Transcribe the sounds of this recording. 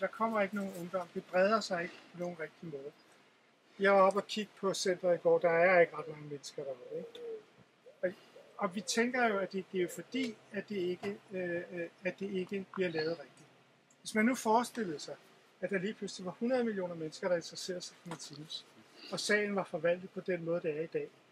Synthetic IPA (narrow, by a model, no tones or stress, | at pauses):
d̥ɑ̈kʰɒ̽m̰ɐe̝ɡ̥əno̝ːn̩ɔ̽ŋd̥ɒ̽m̰d̥e̝b̥ʁɛð̞ˠɐsɑ̈ɪe̝ɡ̥əpʰɒ̽no̝ːn̩ʁeɡ̥̚d̥imɔ̽ːðˠ | jɑ̈ɪʋɑ̈ɒ̽b̥ɒkʰiɡ̥əpʰɒ̽sen̰d̥ʁɐiɡ̥ɒ̰ːd̥ɑ̈æɐɐe̝ɡ̥əʁɑ̈d̥mɑ̈ŋəmenəsɡ̥ɐɾ̥ɑ̈ʋɑeɡ̥ | ɒ̽ | ɒ̽ʋit͡sʰeŋɡ̥ɐjo̝æd̥e̝ɡ̥ejofɒ̽d̥ḭːæd̥e̝e̝ɡ̥ə | æd̥e̝e̝ɡ̥əb̥liɐlɛːʊð̞̩ˠʁeɡ̥̚d̥id̥ | ʋe̝smænːufɒːsd̥e̝l̰ð̩ˠsɑ̈ɪ | æd̥ɑ̈liːpʰlʉsliʋɑ̈hunɐð̞ˠmilio̝̰ːnɐmenəsɡ̥ɐɾ̥ɑ̈e̝nd̥ʁɐse̝̰ːɐð̩safʰɒmet͡sʰiːmsɒ̽sɛ̰ɪn̩ʋɑ̈fɒ̽ʋæl̰d̥ð̩ˠpʰɒ̽d̥enmɔ̽ːð̞ˠd̥eæɐid̥ɛ̰ː